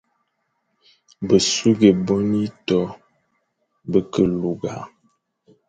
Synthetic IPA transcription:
bə˨su˦ɡe˨bɔ˦ni˦tɔ˦ | bə˦kə˦˨lu˨ɡa˨˦

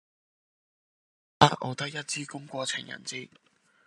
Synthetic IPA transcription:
ʔa̰ː˧˥ʔo˨˧t̪ɐ˥k̚jɐ˥t̚t͡siː˥kʊ˥ŋkʷɔː˧t͡sʰɪ˨˩ŋjɐ̰˨˩nt͡siː˥

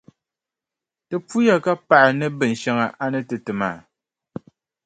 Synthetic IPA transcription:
tɨ˨pu˦ja˦ka˦pa˨ʔɪ˨nɨ˦bɨ˨n̩˨ʃɛ˦ŋa˨ʔa˦nɨ˦tɨ˨tɨ˨maː˨

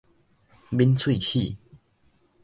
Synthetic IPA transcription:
bi˦˥nt͡sʰwi˥˨hi˥˧˨

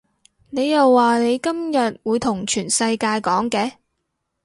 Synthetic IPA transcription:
ne˨˧jjɐ˨wːaː˨ne˨˧jkɐ˥mjɐ˨t̚wuː˨˧jt̪ʰʊ˨˩ŋt͡ʃʰyː˨˩nsɐ˧jkaː˧jkɔː˨˥ŋkɛː˨˧˥

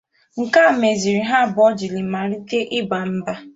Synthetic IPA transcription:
ŋ̩˨ka˦˨me˨zi˨ɾi˨ɦa˦˨bɔ˦d͡ʒi˨li˨ma˨ɾi˦te˦ʔɪ˦ɡ͡ba˨m̩˦ba˦

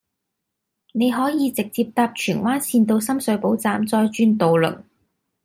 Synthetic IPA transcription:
ne˨˧jɦɔː˨˥jiː˨˧t͡sɪ˨k̚t͡siː˧p̚t̪aː˧p̚t͡ʃʰyː˨˩nwaː˥nsʰiː˧nt̪o˧wsɐ˥msɵ˨˥ɥpo˨˥wt͡saː˧mt͡sɔː˧jt͡ʃyː˥nt̪o˨˧wlɵ̰˨˩ŋ

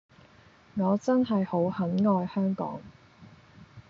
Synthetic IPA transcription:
ŋɔː˨˧t͡sɐ˥nɦɐ˨jho˨˥whɐ˨˥nŋɔː˧jhœː˥ŋkɔ̰ː˨˥ŋ

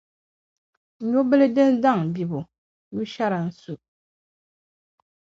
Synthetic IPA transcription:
ɲo˦bə˦lɨ˦de˦nda˦˨ŋ˨bi˨bu˨ | ɲu˦ʃa˦ɾa˨n̩˨su˨ʔ

